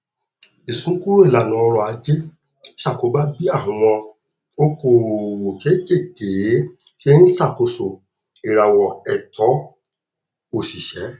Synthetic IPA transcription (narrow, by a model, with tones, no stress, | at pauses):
i˨sũ˨˦ku˦ɾo˦i˦˨la˨nũ˨˧˦ɔ˧ɾɔ˨a˨˧d͡ʒe˦ | ʃa˦˨ko˨˦ba˦bi˦a˦˨ɦũ˨˧w̃ɔ̃˧ | o˦ko˦˨wo˨ke˨˦ke˦˨ke˨˦ | ke˦ñ̩˦sa˦˨ko˧so˨ | i˨ɾa˨wɔ˨ɛ˨tɔ˨˦ | o˦˨si˨ʃɛ˨˦